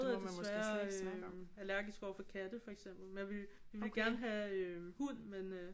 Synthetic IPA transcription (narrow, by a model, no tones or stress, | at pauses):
ð̩ˠædesʋæːɐ | ælæɐ̰ɡ̥isɡ̥ɒ̰ɐfɒ̽kʰæd̥əfɒ̽eɡ̥sem̰b̥l̩menjaʋe̝lʋiʋe̝lɡ̥æɐnɦæøhun̰menø